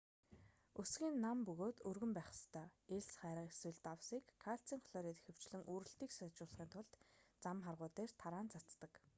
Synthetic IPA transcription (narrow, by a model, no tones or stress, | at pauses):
ɵsɡʲiːnːampɵɣoːt̪ɵrɣɵ̆mpæːχə̥̆st̪ʰœːeɮsχæːɾaːeswɘ̆ɮt̪awsiːkʰːaɬt͡siːŋχɔɮɔːɾiːt̪exɘ̆w̥t͡ɕɮɘ̆ŋʔuːɾɘ̆ɬt̪iːksœt͡ɕʊːɮə̆χiːnt̪ʰʊɮt̪t͡samχarʁʊːt̪eːr̥t̪ʰaɾaːnt͡sʰat͡st̪ə̆k